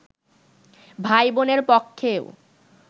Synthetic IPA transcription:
bʱajboneɾpɔkʰːeo

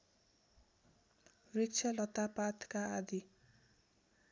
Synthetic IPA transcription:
rik̚t͡sʰalʌt̪apat̪kaːd̪i

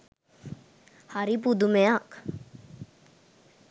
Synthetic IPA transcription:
haɾip̬ud̪umeak

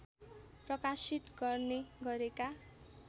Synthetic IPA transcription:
prʌkasit̪ɡʌrneɡʌɾeka

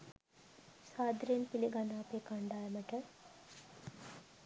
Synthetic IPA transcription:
saːd̪ɾejenpiliɡanaːpeːkaɳɖaːjəməʈə

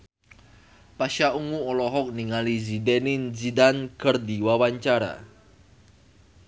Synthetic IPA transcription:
paʃauŋuɔlɔɦɔk̚niŋalizidɛninzidankərdiwawaɲt͡ʃaɾa̰

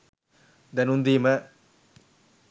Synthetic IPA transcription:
d̪ɐnund̪imɐ

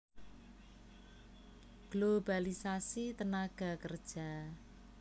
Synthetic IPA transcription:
ɡ̥lobalisasit̪ənaɡ̥a̤kərd̥ʒ̥a̤

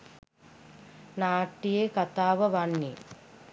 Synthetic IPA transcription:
naːʈːijekɐt̪aːʋɐʋɐɳːi

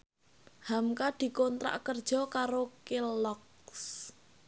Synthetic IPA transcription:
hamkad̪̥i̤kɔnt̪ɾa̰ʔkərd̥ʒ̥ɔ̤kaɾokelɔk | s

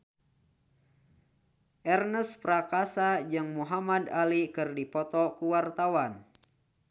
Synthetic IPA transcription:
ʔɛrnəspɾakasad͡ʒɨŋmuɦamadalikɨrdipɔt̪ɔkuwart̪awan

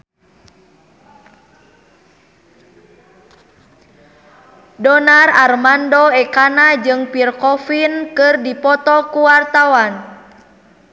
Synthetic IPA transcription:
dɔnararmandɔɛkanad͡ʒɨŋpirkɔfinkɨrdipɔt̪ɔkuwart̪awan

